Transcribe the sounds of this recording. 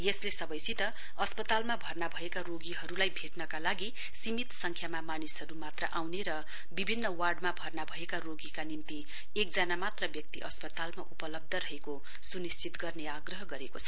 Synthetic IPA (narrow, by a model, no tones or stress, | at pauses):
jeslesʌbʌjsit̪ʌ | ʌspʌt̪almabʱʌrnabʱʌekaɾoɡiɦʌɾulajbʱeʈnʌkalaɡi | simit̪sʌŋkʰjamamanisɦʌɾumat̪rʌ̰ʔawneɾʌ | bibʱinːʌwarɖmabʱʌrnabʱʌekaroɡikanimt̪i | ek̚d͡zanamat̪rʌbjʌk̚t̪iʔʌ̰spʌt̪almaʔupʌlʌb̚d̪ʱʌɾʌɦeko | sunist͡sit̪ɡʌrneaɡrʌɦʌɡʌɾekot͡sʰʌ